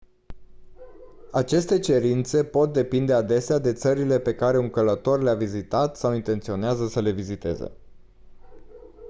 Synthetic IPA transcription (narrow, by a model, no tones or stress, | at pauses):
at͡ʃe̞st̪e̞t͡ʃe̞ɾint̪se̞po̞t̪̚d̪e̞pind̪e̞ad̪e̞sead̪e̞t̪səɾile̞pe̞kaɾe̞uŋkələt̪o̞rleavizit̪at̪sawint̪e̞nt̪sio̞neazəsəle̞vizit̪e̞̰zḛ